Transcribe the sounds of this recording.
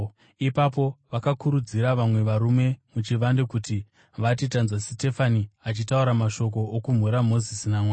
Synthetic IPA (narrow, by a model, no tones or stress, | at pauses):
ipap̬o̞ʋakakuɾud͡ziɾaʋamwe̞ʋaɾume̞mut͡ʃiʋandokuti | ʋatitanzwasite̞faniat͡ʃitauɾamaʃo̞k̬o̞ʔːkum̤uɾamo̞zisinamwaː